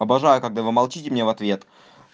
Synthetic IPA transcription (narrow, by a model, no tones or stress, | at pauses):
ɐbɐʐajʊkɐɡd̪avɨmɐlˠt͡ɕitʲɪmnʲevɐt̪vʲe̞t̪